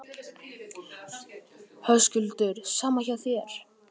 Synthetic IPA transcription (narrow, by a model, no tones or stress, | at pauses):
hœscʏlt̪ʏɾsaːmaçaθjɛɾ̥